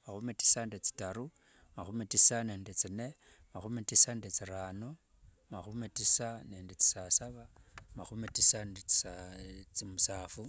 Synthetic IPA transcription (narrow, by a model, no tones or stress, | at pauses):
maxumeti̥sandet͡si̥taɾu | maxumetisane̞ːndet͡sine̞ | maxumetisandet͡siɾaːno | maxumetisaneːndet͡si̥sasaβa | maxumetisandet͡si̥sat͡simusaːfu